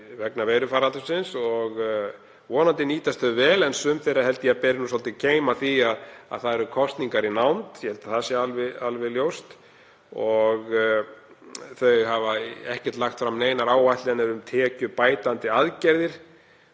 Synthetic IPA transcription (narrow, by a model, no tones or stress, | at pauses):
vɛknaveːjɾʏfaːɾalt̪ʏsɪnsɔɣ | vɔːnant̪ɪniːt̪ast̪θœvɛːlɛnsʏmθejɾahɛlt̪ɪjapɛːɾɪnusɔlt̪ɪcʰeːjmaθiaða̰ðθaðɛɾʏkʰɔst̪niŋkaɾinawnt̪jɛhɛlt̪ḁθasjɛalvɪalvɪljowst̪ | ɔɣ | θœɥɣɦavaɛhcɛɾ̥t̪laxt̪fɾamːneːjnaɾaːwvajht̪lɪɛnɛɾʏmt̪ʰɛːcʏpaːjt̪ant̪ɪaðcɛɾðɪɾ̥